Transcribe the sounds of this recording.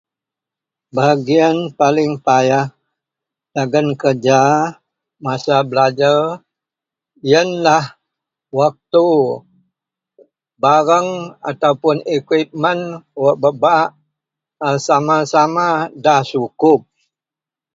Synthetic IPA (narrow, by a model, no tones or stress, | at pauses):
baɡianpalɪŋpajah | daɡənkərd͡ʒa | masabəlad͡ʒar | jənlah | wak̚t̪u | baɾəŋa̰t̪aupʊnikwip̚mənwəʔbəbaʔ | samasamadahsukʊp̚